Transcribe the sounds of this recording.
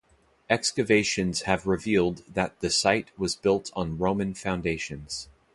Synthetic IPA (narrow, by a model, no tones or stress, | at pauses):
ɛkskɨveɪʃɨ̃nz̥ɨvɹɪvilˠd̪̚ðɨt̪̚ðɨsaɪt̚wʌzbɪlˠtʰn̩ɹõʊ̃mɨ̃nfãʊ̃ndeɪʃɨ̃nz̥